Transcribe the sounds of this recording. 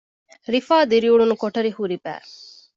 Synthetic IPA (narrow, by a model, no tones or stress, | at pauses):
ɾifaːd̪iɾiuɭunukoʈɐɾihuɾibæ̰ː